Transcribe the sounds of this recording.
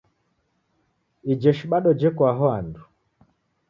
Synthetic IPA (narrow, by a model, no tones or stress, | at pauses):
id͡ʒɛʃiɓaɗɔd͡ʒɛkwaɦɔandu